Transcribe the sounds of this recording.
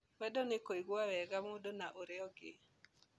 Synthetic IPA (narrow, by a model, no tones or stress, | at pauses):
wɛdɔnɪkoiɡwawɛɡamodonaʔoɾeɔɡɪ̰